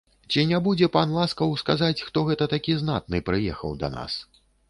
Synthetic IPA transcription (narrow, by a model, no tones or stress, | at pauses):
t͡sʲinʲɛbud͡zʲɛpanlˠaskɐwskazat͡sʲxt̪ɔɣɛt̪ɐt̪akʲizna̰t̪nɨpɾɨjɛ̰xɐ̰wd̪ɐ̰na̰s